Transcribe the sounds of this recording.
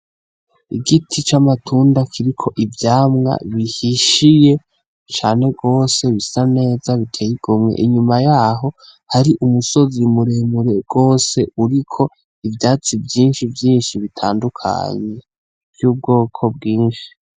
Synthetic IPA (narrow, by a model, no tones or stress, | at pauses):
iɡitʰit͡ʃamatʰuːndakʰiɾikʰo̞ʔivjaːmŋa̰βihiʃije̞ | t͡ʃaːne̞ɡo̞ːse̞βisane̞ːzaβitʰejiɡ̥omŋḛʔiɲumajaɦo̞haɾiʔumuso̞zimuɾemuɾe̞ɡ̥o̞ːse̞ʔuɾikʰo̞ | ivjaːt͡sivjiːnʃivjiːnʃiβitʰaːndukʰa̰ɲe̞ | v̥juːb̚ɡo̞ːkʰo̞bɡiːnʃi̥